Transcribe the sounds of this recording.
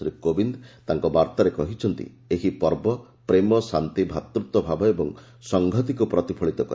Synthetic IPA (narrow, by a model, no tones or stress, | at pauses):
ɾikobind̪t̪aŋkɔbaɾt̪aɾekɔɦit͡ʃʰɔnt̪ḭ | eɦipɔɾbɔ | pɾemɔsant̪ibʱat̪ɾut̪ɔbʱabɔebɔŋ | sɔŋɡʱɔt̪̬ikupɾɔt̪ipʰɔɭit̪ɔkɔ̰ɾ